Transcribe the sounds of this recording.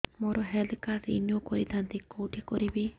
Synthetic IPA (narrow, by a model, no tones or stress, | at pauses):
moɾɔɦɛld̪kasɾḭnjukɔɾid̪ʱant̪ikowʈikɔɾibe